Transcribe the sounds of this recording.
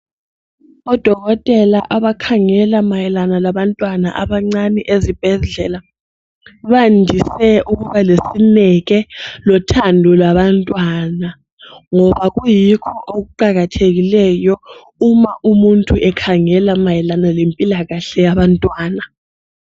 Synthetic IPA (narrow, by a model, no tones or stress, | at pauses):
ɔd̥ʱɔɣ̬ɔtʼɛlaʔaɓakʰaŋɛlamajɛlanalaɓantʼwana̰ʔaɓaŋ͡ǀanɛʔezib̥ʱɛɮɛla | ɓandʱisɛʔuɣ̬uβalesinɛɣɛlɔtʰandʱɔlaɓantʼwana | ŋɔβaɣ̬ujikʰɔʔok̬uǃaɣatʰeɣ̬ilɛjɔ | umaʔumuntʼuʔɛkʰaŋɛlamajɛlanalempʼilaɣaɬɛjaɓantʼwaːna